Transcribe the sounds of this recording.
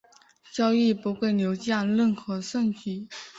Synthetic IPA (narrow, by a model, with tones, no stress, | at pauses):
t͡ɕjɑ˥ʊi˥˩pu˧˥xwe˥˩ɪnjo˧˥ʊt͡ɕjɑ˥˧nlə˥˩nxɤ˧˥ʂwə˥˩nt̪ʰi˨˧˩